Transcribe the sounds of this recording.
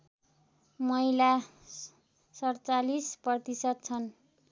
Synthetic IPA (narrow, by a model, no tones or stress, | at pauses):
mʌila | sʌrt͡salisprʌt̪isʌd̪̚t͡sʰʌn